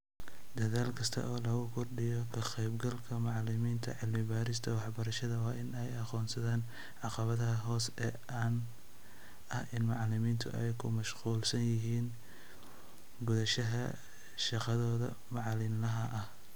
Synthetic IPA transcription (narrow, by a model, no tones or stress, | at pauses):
d̪ɐðaːlkʰɐst̪ʰɐ̰ʔɔːlɐɣʊkʰɔrɖɪjɔkʰɐqɛjbɡɐlkʰɐmɑʕlɪmiːnt̪ʰɐ̰ʕɪlmɪbaːɾɪst̪ʰɐwɑħbɐɾɐʃɐðɐwɑːʔɪnɛjɑqɔːnsɐðaːn | ʕɑqɑβɐðɐɦɐɦɔːsɛːʔaːn | ɐhʔɪnmɑʕlɪmiːnt̪ʰʊ̰ʔɛjkʰʊmɐʃquːlsɐnjɪɦiːn | ɡʊðɐʃɐɦɐ | ʃɑqɑðɔːðɐ̰ | mɑʕlɪnlɐɦɐʔɐh